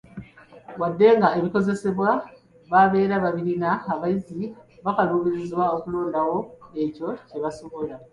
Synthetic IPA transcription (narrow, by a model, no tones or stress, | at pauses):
wadːe̞ŋɡae̞βiko̞ze̞se̞βwa | βaβe̞ːɾaβaβiɾinaːβajiziβakaluːβiɾizwao̞kulo̞ːndawo̞eco̞ce̞βasoβola